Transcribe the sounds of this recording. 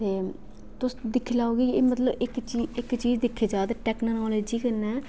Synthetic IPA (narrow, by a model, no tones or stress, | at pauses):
t̪eː | t̪ʊsd̪ɪkʰːlaːoːɡiːkːmət̪ləbɪkt͡ʃiːɪkːt͡ʃiːd͡ʒd̪ɪkʰːeːd͡ʒaːd̪ʈɛːknaːnaːleːd͡ʒiːkəɾnɛː